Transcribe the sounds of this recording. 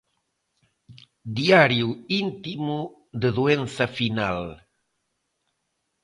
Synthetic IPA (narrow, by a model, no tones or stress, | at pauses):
d̪iaɾjuint̪imu | ðeðuenθɐfinal